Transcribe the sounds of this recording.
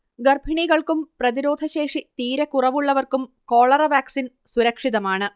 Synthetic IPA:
ɡɐrbʱiɳiɣɐɭkumprɐðiɾo̞ːd̪ʱɐɕe̞ːʂit̪iːɾɐkurɐʋuɭːɐʋɐrkumko̞ːɭɐrɐʋaːksinsuɾɐkʂiðɐmaːɳɨ

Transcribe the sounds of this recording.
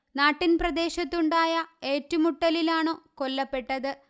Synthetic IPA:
naːʈːinprɐd̪e̞ːɕɐt̪ːuɳɖaːjɐe̞ːtːumuʈːɐlilaːɳo̞ːkolːɐpːe̞ʈːɐðɨ

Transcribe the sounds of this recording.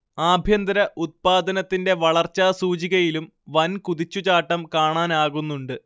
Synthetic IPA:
aːbʱjɐnd̪ɐɾɐʔut̪̚paːd̪ɐnɐt̪ːinde̞ʋɐɭɐrt͡ɕːaːsuːt͡ɕiɣɐjilum | ʋɐnkuðit͡ɕːut͡ɕaːʈːɐmkaːɳaːnaːɣunːuɳɖɨ

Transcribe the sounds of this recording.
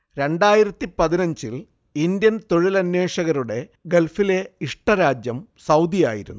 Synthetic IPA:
ɾe̞ɳɖaːjiɾɐt̪ːipɐðinɐɲd͡ʑil | ind̪jɐnt̪oɻilɐnje̞ːʂɐɣɐɾuɽe̞ɡe̞lfile̞iʂʈɐɾaːd͡ʑjɐmsɐwd̪ija̰ːjḭɾṵnːu

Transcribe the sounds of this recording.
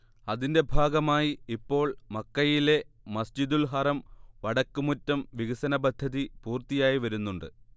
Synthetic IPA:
ɐðinde̞bʱaːɡɐmaːjiipːo̞ːɭmɐkːɐjile̞mɐsd͡ʑid̪ulɦɐrɐmʋɐɽɐkːumutːɐmʋiɣɐsɐnɐbɐd̪ʱːɐðipuːrt̪ijaːjiʋɐɾunːuɳɖɨ

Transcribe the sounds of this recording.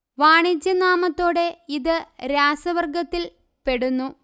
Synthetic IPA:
ʋaːɳid͡ʑjɐnaːmɐt̪ːo̞ːɽe̞iðɨɾaːsɐʋɐrɡɐt̪ːil | pe̞ɽunːu

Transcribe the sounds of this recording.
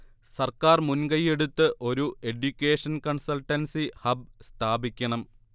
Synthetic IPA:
sɐrkaːrmunɡɐje̞ɽut̪ːɨʔo̞ɾue̞ɖjukʲːeːʂɐnkɐɳsɐlʈːɐnsihɐb̚st̪ʰaːbikʲːɐɳɐm

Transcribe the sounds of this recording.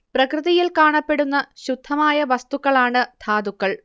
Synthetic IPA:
prɐkrɨðɐjilkaːɳɐpːe̞ɽunːɐɕud̪ʱːɐmaːjɐʋɐst̪ukːɐɭaːɳɨd̪̥ʱʰaːd̪ukːɐɭ

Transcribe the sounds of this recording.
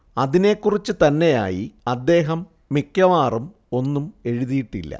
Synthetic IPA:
ɐðine̞kːurit͡ɕːɨt̪ɐnːe̞ja̰ːjiɐd̪ːe̞ːɦɐmː | ikjɐʋaːrum | o̞nːume̞ɻuðijiʈːilːɐ̰

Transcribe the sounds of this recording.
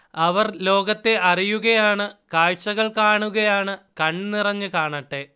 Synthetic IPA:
ɐʋɐrlo̞ːɡɐt̪ːe̞ʔɐrijuɣɐjaːɳɨkaːɻt͡ɕːɐɣɐɭkaːɳuɣɐjaːɳɨkɐɳnirɐɲːɨkaːɳɐʈːe

